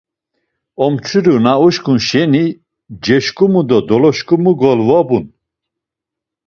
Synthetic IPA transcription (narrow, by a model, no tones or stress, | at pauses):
ɔmt͡ʃʰiɾunauʃkʼunʃɛni | d͡ʒɛʃkʼumud̪ɔd̪ɔlɔʃkʼumuɡɔlvɔbun